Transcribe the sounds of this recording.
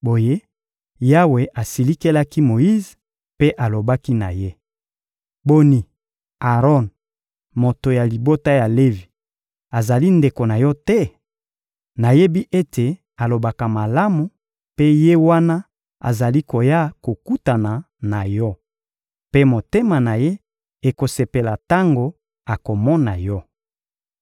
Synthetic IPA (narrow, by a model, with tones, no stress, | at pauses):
bo˨je˦ | ja˦we˨ʔa˨si˨li˦ke˦la˦ki˦mo˨ji˦z | pe˦ʔa˨lo˨ba˦ki˦na̰˨je˦ | bo˦ni˨ | a˨ʁɔ˦n | mo˨to˨ja˨li˨bo˦ta˦ja˨le˦vi˨ | a˨za˨li˦nde˨ko˨na˨jɔ˦tɛ˦ | na˨je˦bi˦ʔe˦tʰe˨ | a˨lo˨ba˨ka˨ma˨la˦mu˨ | pe˦je˦wa˦na˦ | a̰˨za˨li˦ko˨ja˦ko˨ku˦ta˨na˨ | na˨jɔ˦ | pe˦mo˨te˦ma˨na˨je˦ | e˨ko˨se˨pe˨la˨ta˦ŋɡo˨ | a˨ko˨mɔ˦na˨jɔ˦